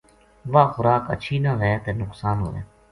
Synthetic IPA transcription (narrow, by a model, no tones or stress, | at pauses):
ʋaːxʊɾaːkə̰tːʃʰiːnaʋɛːt̪eːnʊksaːnɦo̰ːʋɛ̰ː